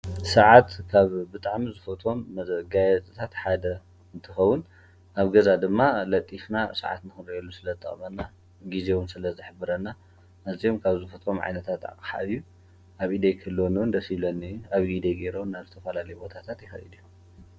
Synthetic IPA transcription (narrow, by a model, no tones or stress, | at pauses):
sɐʕat̪kʰaβbɨt̪ʼaʕmizɨfot̪ʰo̞mːɡajɛt͡s̪ʼɨt̪ʰat̪ħad̪ɐ | ɨnt̪ʰɨxɐwʊn | ʔaβɡɐzad̪ɨmːalɐt̪ʼːifnasɐ̰ʕa̰t̪nɨxɨɾiʔɛlːusɨlɐzt̪ʼɐ̰χʼmɐnːa | ɡizewʊnsɨlɐzɨħɨbɨɾɐnːa | ʔɨziomkʰaβzɨfot̪ʰo̞mʕa̰jnɐt̪ʰat̪a̰kʼħa̰iju | ʔaβʔid̪ejkʰɐlːonuwʊnd̪ɐsiβlɐnɨjuaβɡid̪eɡeɾownːaβzɨt̪ʰɐfɐlalɐjubo̞t̪ʰat̪ʰat̪jɪxɐ̰jid̪iju